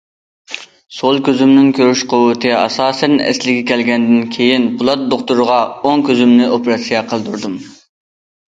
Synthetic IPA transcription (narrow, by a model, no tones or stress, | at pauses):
solˠkʲøzymnɪŋkʲʰøɾyʃqʰʊwɨt̪ʰɨɑsɑːsɛnɛ̰slɪɡʲɛkʲʰɛlɡʲɛnd̪ɪnkʲʰejinbʊlˠɑt̪̚d̪oχt̪uɾʁɑoŋkʲøzymnɪʔopɾɑsijɑqʰəlˠd̪uɾd̪um